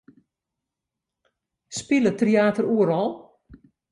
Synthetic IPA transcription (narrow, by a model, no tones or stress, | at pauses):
spilətrjaːtəruəɾɔlˠ